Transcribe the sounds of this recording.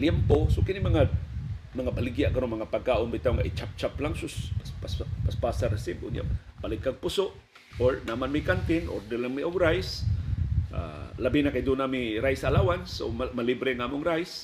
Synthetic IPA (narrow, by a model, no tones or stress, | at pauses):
ljɛmposokɪnɪmɐŋa | maŋabalɪɡjaʔkaɾonmaŋapaɡ̚kaːʔʊnbɪt̪awŋa̰ʔɪt͡ʃap̚t͡ʃaplaŋsʊsaspaspaspaːsaɾɪsɪbʔʊ̰nja̰ | palɪkːaɡ̚pʊsoʔ | oɹnamanmikant̪ɪnʔo̰ɾd̪ɪlaŋmiʔoɡɾajs | ʔa̰labinakid̪ʊnamiɾajsalaːwanso̰mmalibɾɪŋaːmʊŋɾajs